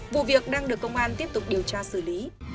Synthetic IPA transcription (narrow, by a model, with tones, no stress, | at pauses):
vṵ˧˨vi˨˩ək̚ɗaː˧ŋɨ˨˩əkːə˧wŋ͡mʔaː˧nt̪i˦˥əp̚t̪ʊ˨˩k͡p̚ɗi˨˩əwt͡ɕaː˧sɨ˧˩li˨˦